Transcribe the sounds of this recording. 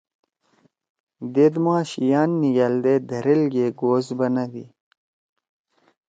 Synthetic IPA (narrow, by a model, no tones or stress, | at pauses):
d̪ed̪muaːɕijaːnːijɐld̪ed̪ɐɾelɡeːɡoːzbɐnɐʋḭ